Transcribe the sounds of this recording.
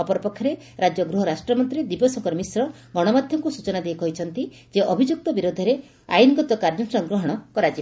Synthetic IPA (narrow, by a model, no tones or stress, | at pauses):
ɔpɔɾɔpɔkʰːɔɾe | ɾad͡ʒjɔɡɾuɦɔɾasʈɾɔmɔnt̪ɾid̪ipɔsɔŋkɔɾmisɾɔ | ɡɔɽ̃ɔmad̪ʱjɔŋkusut͡ʃɔnad̪ejkɔɦit͡ʃʰɔnt̪i | d͡ʒeʔɔbʱid͡ʒuk̚t̪ɔbiɾod̪ʱɔɾe | a̰jnɡɔt̪ɔkaɾd͡ʒɔnsɾɔŋɡɾɔɦɔɽ̃ɔkɔɾad͡ʒi